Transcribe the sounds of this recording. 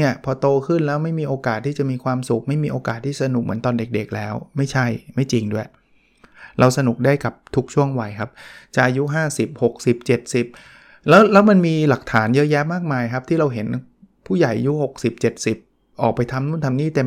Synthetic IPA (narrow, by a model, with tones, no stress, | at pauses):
i˥˩ɐpʰɔː˧t̪oː˧kʰɯ˥˩nlɛː˦˥wma˥˩jmiː˧ʔoː˧kaː˨˩t̪ʰːiː˥˩t͡ɕa˨˩ʔmiː˧kʰwaː˧msu˨˩k̚ma˥˩jmiː˧ʔoː˧kaː˨˩t̪ʰːiː˥˩sa˧nu˨˩k̚mɯ˩˦ənt̪ɔː˧nde˨˩k̚de˨˩k̚lɛː˦˥wma˥˩jt͡ɕʰa˥˩jma˥˩jt͡ɕi˧ŋdu˥˩ | ɾʔa˧wsa˧nu˨˩k̚daː˥˩jka˨˩p̚t̪ʰu˦˥k̚t͡ɕʰu˥˩əŋwa˧jkʰa˦˥p̚t͡ɕa˨˩ʔa˧ju˦˥ɦaː˥˩si˨˩p̚ho˨˩k̚si˨˩p̚t͡ɕe˨˩t̪̚si˨˩p̚ | lɛː˦˥wlɛː˦˥wma˧nmiː˧la˨˩k̚t̪ʰaː˩˦njɤ˦˥jɛ˦˥maː˥˩k̚maː˧jkʰa˦˥pt̪ʰiː˥˩ɾa˧wɦe˩˦n | pʰuː˥˩ja˨˩jʔa˧ju˦˥ho˨˩k̚si˨˩p̚t͡ɕe˨˩t̪̚si˨˩p̚ | ʔɔː˨˩k̚pa˧jt̪ʰa˧mnu˥˩nt̪ʰa˧mniː˥˩t̪e˧